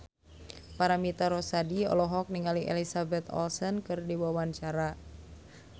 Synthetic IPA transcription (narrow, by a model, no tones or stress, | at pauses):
paɾamit̪aɾɔsadiɔ̰lɔɦɔk̚niŋaliʔɛ̰lisabɛt̪ɔ̰lsɔnkɨrdiwawant͡ʃaɾa